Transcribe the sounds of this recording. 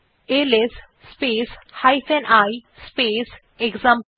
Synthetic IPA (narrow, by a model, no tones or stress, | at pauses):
eles | speːshaɪfʰɛ̃ɳɖajspeːs | eɡzãm